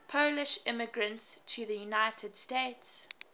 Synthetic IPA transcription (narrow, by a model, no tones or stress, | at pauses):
pʰoʊlɪʃɪ̃mɪɡɹə̃ntstʰəðəjunaɪtʰəd̥stets